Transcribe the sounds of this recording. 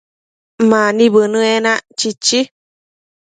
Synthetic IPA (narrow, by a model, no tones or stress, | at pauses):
mãnĩβɨnɨ̃enãt͡ʃit͡ʃi